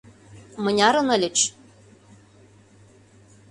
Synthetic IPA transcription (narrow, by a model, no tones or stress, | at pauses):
mɤ̆nʲɑɾɤ̆nɤ̆lʲɘ̆t͡ɕ